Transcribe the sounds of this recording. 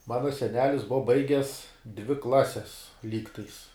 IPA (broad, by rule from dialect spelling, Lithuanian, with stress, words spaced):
ˈmɑːnɐ sʲɛˈnʲæːlʲɪs ˈbʊʋɐ ˈbɐɪɡʲɛs dʲʋʲɪ ˈklˠɑːsʲɛs ˈlʲiːktɐɪs